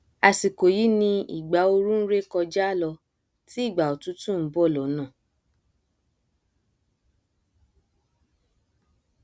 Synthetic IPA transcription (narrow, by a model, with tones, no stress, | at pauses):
a˧si˨ko˨ji˨˦nĩ˧ḭ˨ɡ͡ba˨˦o˧ɾũ˦ɾe˦kɔ˧d͡ʒa˦lɔ˧ | ti˦i˦˨ɡ͡ba˨o˨tu˨˦tũ˦˨m̩˨˦bɔ˦˨lɔ˨˦nã˦˨